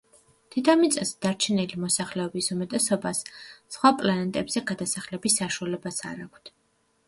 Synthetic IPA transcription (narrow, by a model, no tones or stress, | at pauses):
t̪ʰit̪ʰamit̪sʼɛsd̪̥aɾt͡ʃʰɛnilimɔsaχlɛɔbisumɛt̪ʼɛsɔbasːχwapʼlanɛt̪ʼɛbz̥ɛɡad̪asaχlɛbisːaʃualɛbasa̰ɾakʷʰt̪ʰ